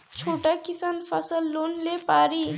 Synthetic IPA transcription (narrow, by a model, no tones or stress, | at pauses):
t͡ʃʰoːʈakisanpʰəsəlːoːnlepaːɾi